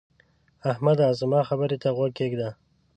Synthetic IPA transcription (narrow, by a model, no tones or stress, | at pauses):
ahmad̪ɑzəmɑxabəɾet̪aɣwakeɡd̪a